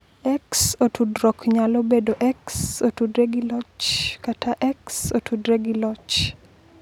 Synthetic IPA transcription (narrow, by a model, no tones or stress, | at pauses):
ɛksotʰudɾɔkɲalobedoʔɛksotudɾeɡɪlɔt͡ʃkatʰaʔɛksotʰudɾeɡilɔt͡ʃ